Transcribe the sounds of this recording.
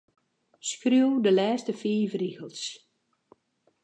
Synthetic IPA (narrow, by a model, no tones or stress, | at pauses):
skruwdəlɛːstəfiːvriɣəlˠs